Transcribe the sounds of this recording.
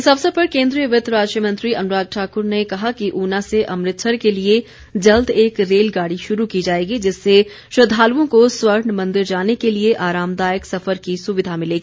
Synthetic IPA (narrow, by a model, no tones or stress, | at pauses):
ɪsɐbsɐpɐɾkẽːnd̪ɾijəʋɪt̪ɾaːd͡ʒʃijəmɐ̃nt̪ɾiɐnɾaːɡ̪̚ʈʰaːkʊɾnekɐɦakiʔuːnãseʔɐmɾɪt̪ʃʰəɾkelie | d͡ʒɐld̪eːkɾeːlɡaːɽiʃʊɾukid͡ʒaːeːɡid͡ʒɪsːe | ʃɾɐd̪ʱːaːluõkoswəɾnmɐ̃nd̪ɪɾd͡ʒaːnekelieʔaːɾaːmd̪aːjəksɐfəɾkisʊʋɪd̪ʱamɪleːɡiiː